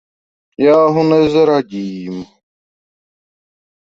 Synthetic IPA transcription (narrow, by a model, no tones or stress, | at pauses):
jaːɦunezɐɾaɡiːm